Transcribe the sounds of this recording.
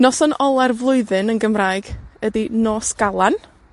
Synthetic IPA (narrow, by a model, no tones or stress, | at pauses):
nɔsɔnɔlˠɛrvlˠʊɨðɨnənɡəmraːjɡədinoːsɡ̥alˠan